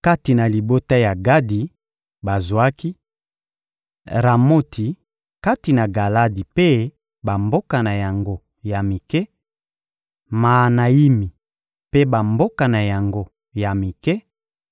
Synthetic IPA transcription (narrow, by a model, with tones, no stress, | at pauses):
ka˦ti˨na˨li˨bo˦ta˦ja˨ɡa˦di˨ | ba˨zwa˦ki˦ | ʁa˨mo˦tʰi˨ | ka˦ti˨na˨ɡa˨la˦di˨pe˦ | ba˨mbo˦ka˨na˨ja˨ŋɡo˦ | ja˨mi˨kɛ˦ | ma˨na˨i˦mi˨ | pe˦ba˨mbo˦ka˨na˨ja˨ŋɡo˦ | ja˨mi˨kɛ˦